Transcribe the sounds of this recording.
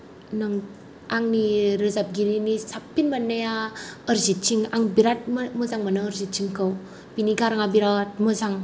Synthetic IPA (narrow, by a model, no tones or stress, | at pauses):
nɯŋ | aŋniɾɯzap̚ɡiɾinisapːinbanːajaəɾzit͡ʃiŋaŋbiɾat̚mməzaŋmanɯːɾzitt͡ʃiŋkəw | biniɡaɾaŋabiɾat̚mɯzaŋ